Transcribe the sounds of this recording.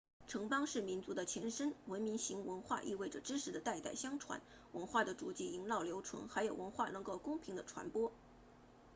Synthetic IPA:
ʈ͡ʂʰɤ˧˥ŋpɑ˥ŋʂɻ̩˥˩mi˧˥nt͡su˧˥d̪ə˧t͡ɕʰjɛ˧˥nʂə˥nwə˧˥nmi˧˥nɕi˧˥ŋwə˧˥nxwa̰˥˧ʔḭ˥˧we˥˩ɪʈ͡ʂə˩ʈ͡ʂɻ̩˥ʂɻ̩˧˥d̪ə˧t̪a˥˧ɪt̪a˥˩ɪɕjɑ˥ŋʈ͡ʂʰwa̰˧˥n | wə˧˥nxwa˥˩d̪ə˩ʈ͡ʂu˧˩t͡ɕi˥˩i˧˥ŋlɑ˥˩ʊljo˧˥ʊʈ͡ʂʰwə̰˧˥ŋxa˧˥ɪjo˨˩ʊwə˧˥nxwa˥˩nɤ˧˥ŋko˥˩ʊkʊ˥ŋpʰi˧˥ŋd̪ə˧ʈ͡ʂʰwa̰˧˥npwɔ˥

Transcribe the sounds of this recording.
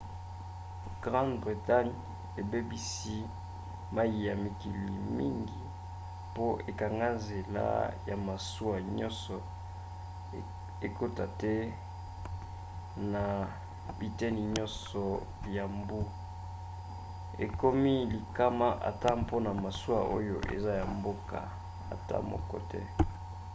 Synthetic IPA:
ɡ̥ʁã˦ndbʁi˨ta˦ɲ | e˨be˦bi˦si˦ | ma˦ji˨ja˨mi˨ki˨li˨mi˦ŋɡi˨ | po˦ʔe˨ka˨ŋɡa˦nze˨la̰˦ja˨ma˨su˦a˨ɲɔ̃˦sɔ˨ | e˨ko˦ta˨tɛ˦ | na˨ | bi˨tɛ˦ni˨ɲɔ˦nsɔ˨ | ja˨mbu˦ | ḛ˨ko˦mi˦li˨ka˦ma˦ʔa̰˨ta˦po˦na˨ma˨su˦a˦ʔo̰˦jo˦ʔḛ˨za˦ja˨mbo˦ka̰˨ | a̰˨ta̰˦mo̰˨kɔ̰˨tɛ̰˦

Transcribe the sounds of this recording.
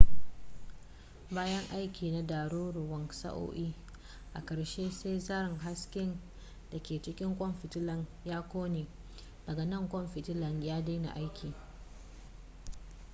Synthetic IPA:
baː˦jɐ˦ŋʔa˦jkʲiː˨na˦daː˨ɾuː˦ɾu˨wɐ˨˦ŋsa̰˦ʔo̰ː˦ʔiː˦ | ʔa˨kɐ˨ɽʃeː˦sa˦jzaː˦ɾɪ˨ŋɦa˦skʲɪ˦n | d̥a˨kʲeː˨t͡ʃɪ˦kʲɪ˦ŋkʷʼɔ˦mɸɪ˨tɪ˦lɐ˨ŋjaː˦kʷoː˦neː˨ | dɐ˨ɡa˨nɐ˦˨ŋkʷɔ˦mɸɪ˨tɪ˦lɐ˨ŋjaː˦daː˦na̰˨ʔa˦jkʲʰiː˨

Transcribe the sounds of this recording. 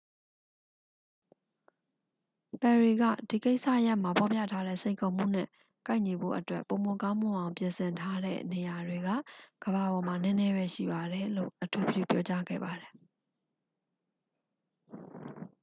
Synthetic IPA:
pɛ˨ɹi˨ɡa̰˦˨d̥i˨ke˦ɪʔsä̰˦˨ʔja˦ʔm̥a˨pʰɔ˨pjä̰˦˨tʰa˦ɾɛ̰˦˨sẽ˨ɪ̃ŋkʰo˨m̥ṵ˦˨n̥ɛ̰̃˦˨ | ka˦ɪʔɲi˨bo̰˦˨ʔətwɛ̰˦˨pːõ˨ʊ̃mo˨kã˦m̥ʊ̃˨ʔã˨ʊ̃mpjɪ̃˨nsɪ̃˨ntʰa˦ɾɛ̰˦˨ne˨ja˨dwe˨ɡa̰˦˨ɡ̥əβa˨bɔ˨ma˨nɛ̃˦nɛ˦βɛ˦ʃḭ˦˨ba˨ɾɛ˨lo̰˦˨ʔətʰu˨bbjṵ˦˨pjɔ˦t͡ɕa˦ɡɛ̰˦˨ba˨ɾɛ˨

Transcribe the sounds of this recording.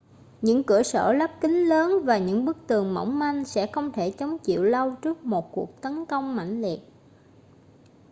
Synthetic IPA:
ɲɨ̰˧˥ŋkɨ˧˩əsə̰ː˧˩lə˦˥p̚kï˨˦ŋ̟ləː˨˦nvaː˨˩ɲɨ̰˧˥ŋɓɨ˦˥k̚t̪ɨ˨˩əŋmə̰˧˥˩wŋ͡mma˧jŋ̟sɛ̰˧˥xə˧wŋ͡mt̪ʰe˧˩t͡ɕə˨˦wŋ͡mt͡ɕḭ˧˨əwlə˧wt͡ɕɨ˦˥ək̚mo˨˩t̚ku˨˩ək̚t̪ə˨˦nkə˧wŋ͡mma̰˧˩jŋ̟li˨˩ət̚

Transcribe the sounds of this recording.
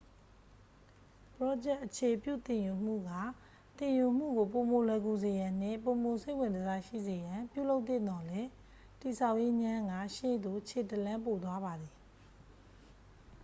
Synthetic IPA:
pəɹɔ˦d͡ʑɛ˦ʔːət͡ɕʰe˨pjṵ˦˨t̪ɪ̃˨ju˨m̥ṵ˦˨ɡa˦˨ | t̪ɪ̃˨ju˨m̥ṵ˦˨ɡo˨po˨mo˨lɛ˨ku˨ze˨jã˨n̥ɪ̰̃˦˨po˨mo˨se˦ɪwɪ̃˨ndəza˦ʃḭ˦˨ze˨jã˨pjṵ˦˨lo˦ʊt̪̚t̪θɪ̰̃˦˨d̪ɔ˨lɛ˦ | ti˨sʰa˦˨ʊʔje˦ɲã˦ɡa̰˦˨ʃḛ˦˨d̪o˨t͡ɕʰe˨tə˨lã˦mpo˨t̪̬wa˦ba˨d̪i˨

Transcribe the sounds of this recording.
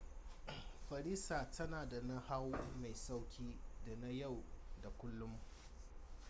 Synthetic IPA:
ɸɐ˨ɾiː˦sa˨tʰɐ˦naː˨da˨na˦ha˦wma˨jsa˦wkʲʰiː˦da˨na˦ja˦˨wda˨kʷʊ˦lːʊ˦m

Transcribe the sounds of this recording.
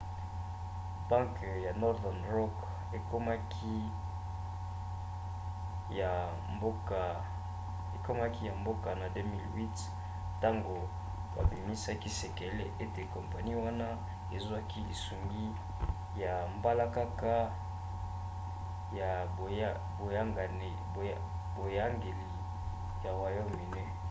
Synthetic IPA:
b̥a˦ŋk | ja˨nɔ˦ʁdɛ˨nʁɔ˦k | e˨ko˦ma˦kʰi˦˨ | mbo˦ka˨ | e˨ko˦ma˦ki˦ja˨mbo˦ka˨na˨de˦mi˦˨lwi˦t | ta˦ŋɡo˨ | ba̰˨bi˨mi˦sa˦ki˦se˨ke˨lḛ˦ʔe˦te˨kɔ˨mpa˨ni˦wa˦na˦ | e˨zwa˦ki˦li˨su˨ŋɡi˦ | ja˨mba˦la˦ka˦ka˦ | a˨ | bo˨ja˦ŋɡa˨ne˨ | bo˨ja˦ŋɡe˨li˨ | ja˨wa˨jo˦mi˨ne˦

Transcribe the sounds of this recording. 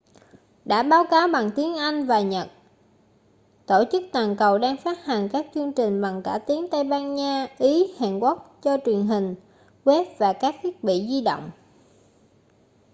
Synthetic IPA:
ɗa̰ː˧˥ɓaː˨˦wkaː˨˦wɓa˨˩ŋt̪i˨˦ənʔa˧jŋ̟vaː˨˩ɲə˨˩t̚ | t̪o˧˩t͡ɕɨ˦˥k̚t̪waː˨˩nkə˨˩wɗaː˧ŋfaː˦˥t̚ha˨˩ŋ̟kaː˦˥k̚t͡ɕɨ˧əŋt͡ɕï˨˩ŋ̟ɓa˨˩ŋkaː˧˩t̪i˨˦əŋt̪ə˧jɓaː˧nɲaː˧ʔi˨˦ha̰ː˧˨nkwu˦˥k̚t͡ɕɔ˧t͡ɕwi˨˩ənɦï˨˩ŋ̟ | ɣwɛ˦˥p̚vaː˨˩kaː˦˥k̚t̪ʰwi˦˥ək̚ɓḭ˧˨zi˧ɗo̰˧˨wŋ͡m

